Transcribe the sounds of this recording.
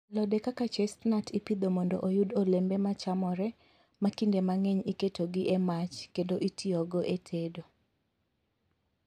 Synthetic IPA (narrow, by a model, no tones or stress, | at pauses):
lɔdekakat͡ʃɛstnatʰipid̪omɔndɔʔojudolembemat͡ʃamɔɾɛ | makindemaŋɛɲiketoɡɪʔɛmat͡ʃkendoʔitʰiɔɡɔʔetʰedo